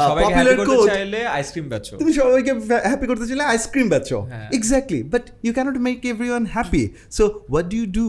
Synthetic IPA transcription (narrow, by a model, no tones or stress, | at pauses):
ɔapjɔpjulɐɾkoajleajskɾimbɛt͡ʃʰot̪umiʃɔbajk̬eɦæpikoɾt̪et͡ɕajleajskɾimbɛtːt͡ʃʰõ̰ɪɡzæk̚ʈlḭbɐʈjukɛnɔʈmekevɾiwɐ̃nhæpḭ | sowɔʈ̚ɖujuɖu